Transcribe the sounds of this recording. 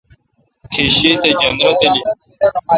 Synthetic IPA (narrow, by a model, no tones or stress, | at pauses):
kʰiɕiːt̪ed͡ʑɐnɾɐt̪eli